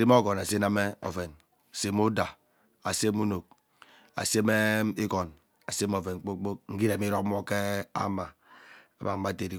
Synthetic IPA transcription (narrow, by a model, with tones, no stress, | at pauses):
ɾi˦m˦o˦ɡɔ˨na˨se˦na˦me˦o̰˨fe˨n˨ | se˦mu˦da˨ | a˨se˦mu˦no˨k̚ | a̰˨se˦me˦i˦kɔ˨n | a˨se˦m˦o˨ve˨n̩˦k͡po˦k͡po˦k̚ŋ̩˦ɡi˦ɾe˨mi˦ɾo˦k̚mɔ˦ke˦a̰˦ma˨ | a˨ba˨m̩˦ma˦˨te˨ɾi˨